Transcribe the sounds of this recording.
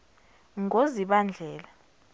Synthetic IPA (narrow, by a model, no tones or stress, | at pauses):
ŋoziɓand͡ɮʱɛːla